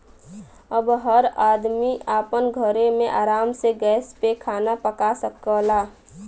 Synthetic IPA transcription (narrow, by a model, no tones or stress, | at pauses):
əbɦəɾad̪miaːpənɡʱəɾemẽʔaːɾaːmseɡɛːspekʰaːnapəkasəkəla